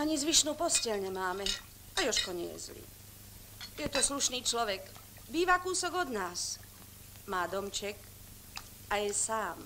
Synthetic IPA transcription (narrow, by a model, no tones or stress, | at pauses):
aɲizʋiʃnuːpɔscɛʎɲɛmaːmɛ | ajɔʃkɔɲɛɛjɛɛ̰zlḭː | jɛt̪ɔsluʃniːt͡ʃlɔʋɛɡ | biːʋakuːsɔɡɔd̪naːs | maːd̪ɔmt͡ʃɛk | ajɛsaːm